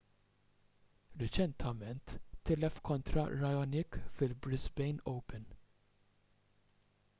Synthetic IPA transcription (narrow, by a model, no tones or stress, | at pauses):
ɾɛt͡ʃɛnt̪ʰɐmɛnt̪ːɪlɛfkʰɔnt̪ɾɐ̰ɾɐjɔnɪkfɪlbɾɪzbɛjnɔwpɛn